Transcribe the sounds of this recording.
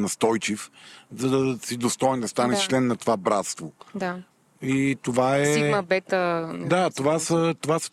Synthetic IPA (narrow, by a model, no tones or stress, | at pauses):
nɐst̪ɔjt͡ʃifzɐd̪ɐsid̪ost̪ɔjɛnd̪ɐst̪anɛt͡ʃlɛnːɐt̪ovabɾat̪st̪vod̪a | it̪ovaɛimɐbɛt̪əd̪at̪ovasət̪ovasə̥